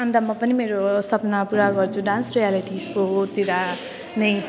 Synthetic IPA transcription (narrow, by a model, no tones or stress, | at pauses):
ʌ̃nd̪amʌpʌnimeɾosʌpnapuɾaɡʌrt͡sʰuɖãnsrijaliʈisot̪iɾa | nʌj